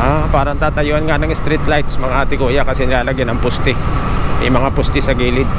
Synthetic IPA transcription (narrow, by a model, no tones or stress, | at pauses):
ʔapaːɾɐnt̪aːt̪ɐjoːhɐnŋanɐŋɪst̪ɾit̪lajt̪smɐŋaʔaːt̪ɪkoʔɪjaʔkɐsɛnɪlaːlɐɡjanɐŋpʊst̪ɪ | ʔɪ̰mɐŋapʊst̪ɪsɐɡiːlɪd̪̚